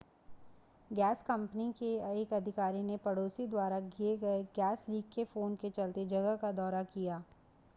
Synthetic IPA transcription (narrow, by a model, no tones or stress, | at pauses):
ɡɛːskɐ̃mpnikeeːkɐd̪ʱɪkaːɾinepɐɽoːsid̪waːɾaɡieɡɐeɡɛːsliːɡkefoːnket͡ʃɐlt̪ed͡ʒɐɡəɦkad̪ɔːɾakijaː